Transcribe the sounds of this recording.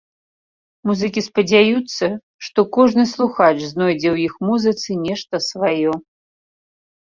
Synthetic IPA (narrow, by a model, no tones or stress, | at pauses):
muzɨkʲispɐd͡zʲajut̪sːɐ | ʂt̪ɔkɔʐnɨslˠuxat͡ʂznɔjd͡zʲɛwjixmuzɨt̪sɨnʲɛʂt̪ɐsvajɔ